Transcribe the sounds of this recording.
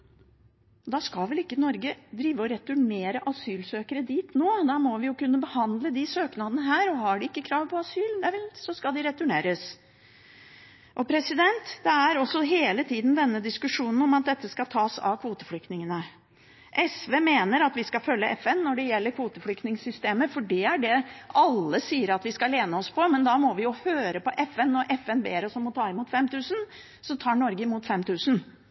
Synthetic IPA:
d̪ɑːskɑlʋɛlɪkːənɔɾɡəd̪ɾiːʋəɔɾɛt̪ʉɳeːɾəʔɑsyːlsøːkəɾəd̪iːt̪noːd̪æɾmɔʋɪjʊkʉnːəbəhɑnd̪ləd̪ɪsøːknɑd̪ənəɦæːɾɔhɑɖɪɪkːəkʰɾɑːʋpʰɔɑsyːld̪ɛʋɛlsɔskɑld̪ɪɾɛt̪ʉɳeːɾəs | ʔɔpʰɾɛsɪd̪ɛnt̪d̪̥ɛæɾɔsːɔɦeːlət̪ʰiːd̪n̩d̪ɛnːəd̪ɪskʉʂuːnən̩ɔmɑt̪̚d̪ɛt̪ːəskɑlt̪ʰɑːsɑ̰ʋkʰʋuːt̪ə̥fɽʏk̚t̪nɪŋənə | ʔɛsʋeːmeːnəɾɑt̪ʋɪskɑfœlːəʔɛfɛnːɔɖɛjɛlːəɾkʰʋuːt̪əflʏkt̪nɪŋsʏst̪eːməfɔɖiæɖɛʔɑlːəsiːəɾɑt̪ʋɪskɑleːnəɔspʰɔmɛnd̪ɑmɔʋɪjʊhøːɾəpɔʔɛfɛnːɔɾʔɛfɛnbeːɾəsɔmːɔt̪ʰɑːɪmuːt̪fɛmt̪ʰʉːsən | sɔt̪ʰɑːɳɔɾɡəɪmuːt̪fɛmt̪ʰʉːsən

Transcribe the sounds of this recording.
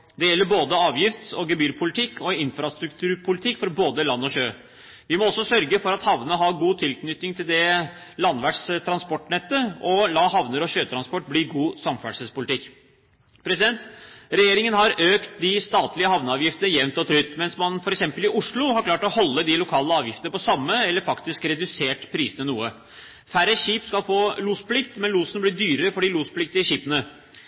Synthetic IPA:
d̪ɛjɛlːəɾboːd̪əɑːʋjɪft̪ɔɡɛbyːɾpʰʊlɪt̪ʰɪkːɔɪnfɾɑst̪ɾʉkt̪ʰʉːɾpʰʊlɪt̪ʰɪkːfɔɾboːd̪əlɑnːɔɕøː | ʋɪmɔɔsːɔsœɾɡəfɔɾɑt̪hɑʋnəəɦɑɡuːt̪ʰɪlknʏt̪nɪŋt̪ʰɪld̪ɛ | lɑnːʋæʈʂt̪ʰɾɑnspɔʈːɳɛt̪ːəɔlɑːhɑʋnəɾɔɕøːt̪ʰɾɑnspɔʈ̚ːbliːɡuːsɑmfæɖʂəspʊlɪt̪ɪkː | pʰɾɛsɪd̪ɛnt̪ɾɛjeːɾɪŋənhɑɾøːkt̪̚d̪ɪst̪ɑːt̪lɪəhɑʋnəɑːʋjɪft̪ənəjɛʋnt̪ɔt̪ʰɾʏt̪ːmɛnsmɑnfɔɾɛksɛmpəlɪʔʊʂɭʊɦɑɾkʰlɑːʈɔhɔlːəd̪ɪlʊkʰɑːləɑːʋjɪft̪əəpʰɔsɑmːəɛlːəɾfɑkt̪ɪskɾɛd̪ʉseːʈpʰɾiːsənənuːə | fæɾəɕiːpskɑlfoːluːspʰlɪkt̪mɛnluːsənəbliːd̪yːɾəɾəfɔɖiluːspʰlɪk̚t̪ɪəɕiːpənə

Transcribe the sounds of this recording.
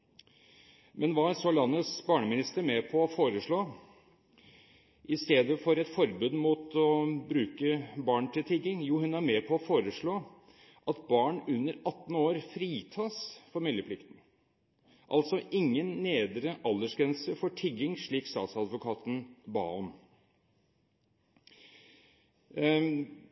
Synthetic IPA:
mʔɛnʋɑːsɔlɑnːəsbɑːɳəmɪnɪst̪əɾmɛpʰɔːfoːɾəʂɭoː | ʔɪst̪eːd̪əfɔɾɛt̪fɔɾbʉːd̪muːt̪ɔbɾʉːkəbɑːɳt̪ʰɪlt̪ʰɪɡɪŋjuːhʉnæɾmɛpʰɔːfoːɾəʂɭoː | ʔɑt̪bɑːɳʉnːəɾɑt̪ːn̩oːɾfɾiːt̪ʰɑːsfɔɾmɪlːəpʰlɪkt̪n̩ | ʔɑlt̪sɔʔɪŋːənːeːd̪ɾəʔɑlːəʂɡɾɛnsəfɔʈʰɪɡɪŋʂɭiːkst̪ɑ̰ːt̪sɑd̪ʋʊkʰɑːt̪n̩bɑ̰ːɔm

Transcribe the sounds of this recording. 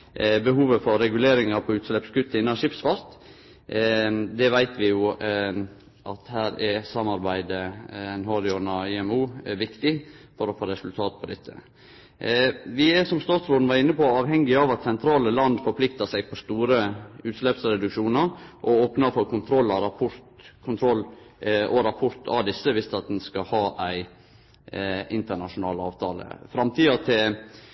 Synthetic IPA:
bəhuːʋəfɔɾːɛɡʉleːɾɪŋɑɾpʰɔʉːt̪slɛpskʉt̪ːəɪnːɑʃɪpsʋɑst̪ | d̪ɛʋæɪt̪ʋɪjʊ | ʔɑt̪hæːɾɛɾsɑmɑɾbæɪd̪əɛnhɑd̪ɪɔnɑɪɛmuːʋɪkt̪ɪfɔɾɔfoːɾɛsʉlt̪ʰɑːt̪̚pʰɔd̪ɛt̪ʰːə̰ | ʋɪæʂɔmst̪ɑːt̪sɾoːd̪n̩ʋɑɾɪnːəpɔɑːʋhɛŋɡɪɑʋɑt̪sɛnt̪ʰɾɑːləlɑnd̪fɔɾpʰlɪkt̪əsæɪpʰɔst̪uːɾəʉːt̪ʂlɛpsɾɛd̪ʉkʂuːnəɾʔɔoːpnəfɔɾkʰʊnt̪ʰɾɔlːɑɾɑpʰʊɾt̪kʰʊnt̪ʰɾɔlː | ʔɔɾɑpʰɔɾt̪ʰɑ̰d̪ɪsːəʋɪst̪ɑt̪̚d̪ɛnskɑhɑːʔæɪ | ɪnt̪əɳɑʂʊnɑ̰ːlɑ̰ːʋt̪ʰɑ̰ːlə̰fɾɑmt̪ʰiːɑt̪ʰɪ

